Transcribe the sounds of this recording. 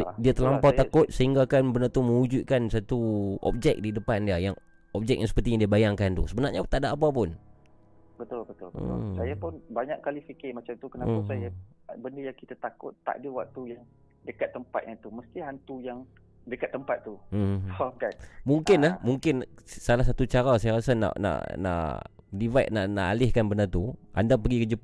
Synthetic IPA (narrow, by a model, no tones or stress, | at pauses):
diat̪əlampaatkʊt̪̚səɦiŋɡaːkanbənat̪umə̃ud͡ʒut̪̚kansat̪uʔɔ̰p̚d͡ʒɛk̚didəpandiajaŋ | ɔp̚d͡ʒɛk̚jaŋsəpərt̪ijaŋdiəbajaŋkant̪ṵsəbənarɲat̪aʔdaʔːp̬ap̬ʊn | bət̪ʊlbət̪ʊlbə̰sajapʊnbaɲakkːalifikɪmat͡ʃamt̪ukənapasaja | bəndəjaŋkit̪at̪akʊt̪ːa̰ʔdəwak̚t̪ujaŋ | dəkat̪ːəmpa̰t̪̚ɲat̪uməst̪iɦant̪ujaŋ | dəkat̪ːəmpat̪̚ːuokanmuŋkɪnamuŋkɪnsalahsat̪ut͡ʃaɾasajaɾasana̰ʔna̰ʔna̰ʔ | divat̪̚naʔnaʔalɪhkanbənat̪uʔa̰ndapəɡikəd͡ʒəp